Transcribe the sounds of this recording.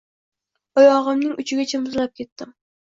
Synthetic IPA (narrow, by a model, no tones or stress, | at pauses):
ɔjɑʁɨmnɪŋʔyt͡ʃʰɪɡʲɛt͡ʃʰɛmɨzlˠɑp̚kʲʰet̪ːɪm